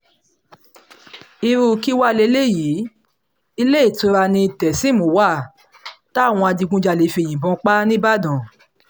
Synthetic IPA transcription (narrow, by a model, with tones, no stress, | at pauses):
i˧ɾu˧ki˦wa˦˧˨le˧˦le˦˨jiː˨˦ | i˧le˦i˦˨tũ˧˦ɾa˧nĩ˧˨tɛ˨sĩ˨˦mõ˨˦wa˦˨ | ta˦˨w̃ɔ̃˧a˧di˧ɡũ˦d͡ʒa˧˨le˨˦fi˧e˨j̃ĩ˨bɔ̃˧˦k͡pa˦nĩ˦ba˦˨dɔ̃˨